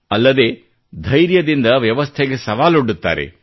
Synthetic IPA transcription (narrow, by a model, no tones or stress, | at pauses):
ɐlːɐd̪e̞ː | d̪ʱɐjɾjɐd̪ind̪ɐʋjɐʋɐst̪ʰeɡe̞sɐʋaːluɽːut̪ːa̰ːɾḛ